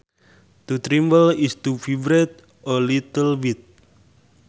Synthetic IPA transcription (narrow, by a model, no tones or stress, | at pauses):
t̪ut̪ɾimbəlist̪ufivɾɛt̪̚ | ɔlit̪əlwit̪̚